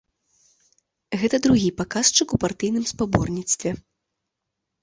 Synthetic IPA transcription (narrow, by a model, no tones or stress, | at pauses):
ɣɛt̪ɐd̪ɾuɣʲipakast͡ʂɨkupart̪ɨjnɨmspabɔrnʲit̪st̪vʲɛ